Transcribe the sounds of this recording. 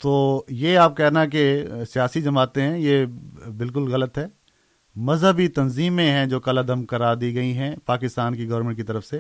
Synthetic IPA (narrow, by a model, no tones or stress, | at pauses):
t̪oːjeaːp̚kɛːnak̬esijaːsid͡ʒɐmaːt̪ẽɦɛ̃jebɪlk̬ʊlɣɐlət̪ɦɛː | mɐzɦəbit̪ɐnziːmẽɦɛ̃d͡ʒoːkɐlad̪əmkɐɾaːd̪iɡɐiɦɛ̃paːkɪst̪aːnkiɡɐʋəɾmɛ̃ɳʈ̚kit̪ɐɾəfse